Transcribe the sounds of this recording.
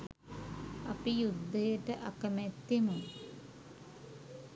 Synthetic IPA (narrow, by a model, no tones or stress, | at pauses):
ɐpijud̪ʱːəjəʈəʔɐkəmɛt̪ːimu